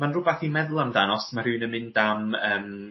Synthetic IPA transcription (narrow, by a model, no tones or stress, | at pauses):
manrʊbaθimɛðʊlˠamdanɔsmar̥ɨːnəmɪndaməːm